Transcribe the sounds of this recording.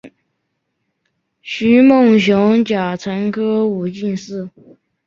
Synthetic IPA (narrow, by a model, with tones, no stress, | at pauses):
ɕy˧˥mo˥˩ŋɕjʊ˧˥ŋt͡ɕja˨˩ʈ͡ʂʰə˧˥nkʰɤ˥u˨˩t͡ɕi˥˧nsɹ̩˥˩